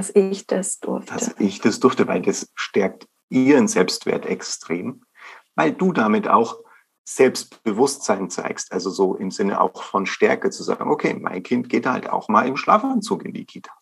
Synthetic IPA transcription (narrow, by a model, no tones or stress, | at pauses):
asɪçd̥asd̥ʊɐfd̥asɪçd̥asd̥ʏɐftəvaɪldasʃtɛɐk̚t | ʔiːʁənzɛlpstv̥ḛːɐtɛkstʁ̥eːm | vaɪlduːdamɪta̰ʊx | z̥ɛlpst̚b̥əvʊstz̥aɪnt͡sa̰ɪkstʔalzozoːʔɪmzɪnə̰ʔa̰ʊxfɔnʃtɛɐkət͡suza̰ːɡŋ̩ʔokʰḛːmʔa̰ɪnkʰɪntɡ̥eːtha̰lta̰ʊxmaːlɪmʃla̰ːfant͡suːkɪ̰ndḭkʰiːtʰḁː